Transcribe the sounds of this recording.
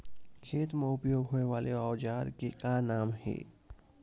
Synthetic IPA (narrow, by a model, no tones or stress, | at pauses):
kʰeːt̪meʊpjoːɡɦoːneʋaːleɔːd͡ʒaːɾkekanaːmɦɛ̰ː